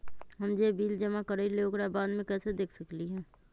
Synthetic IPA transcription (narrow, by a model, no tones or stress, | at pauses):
ɦɐmd͡ʒebiːld͡ʒəmakəɾəileoːkɾabaːd̪mẽkɛːsed̪eːkʰsəkliɦɛ̃ː